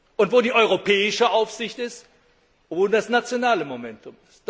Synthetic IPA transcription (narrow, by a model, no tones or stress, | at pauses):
ʔʊntv̥oːdiːʔɔʏʁ̞opʰɛːɪʃəʔaʊfz̥ɪçtɪst | voːldasnat͡sjonaːləmomɛntʊmɪst